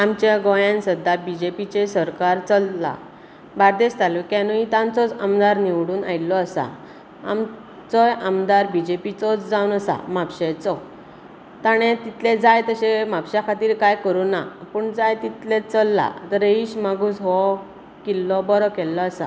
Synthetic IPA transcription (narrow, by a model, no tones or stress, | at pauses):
amt͡ɕaɡɔjãnsəd̪ʱːabid͡ʑepit͡ɕesəɾkaɾt͡səlːa̰ | baɾd̪est̪alukjãnũit̪ãmt͡sɔt͡səmd̪aɾniʋɽuːna̰jlːɔəsa̰ | a̰m | t͡sɔjəmd̪aɾbid͡ʑepit͡sɔt͡sd͡zaunəsa̰mapɕẽjt͡sɔ | t̪aɽ̃ẽt̪it̪lẽd͡zajt̪əɕemapɕakʰat̪iːɾkajkəɾunapəɳd͡zajt̪it̪let͡səlːa̰t̪əɾeiɕmaɡuːt͡sɦɔ | kilːɔbɔɾɔkɛlːɔasa̰